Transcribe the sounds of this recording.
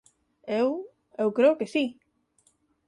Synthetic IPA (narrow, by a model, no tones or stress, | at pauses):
ew | ewkɾewkesi